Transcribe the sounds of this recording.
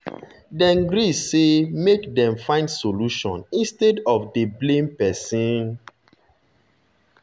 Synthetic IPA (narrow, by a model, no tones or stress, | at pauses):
dɛ̃nɡɾisːemekdɛ̃mfãɪ̃ndsoluʃɔ̰̃nĩnstedɔfdeblẽmpɛsĩn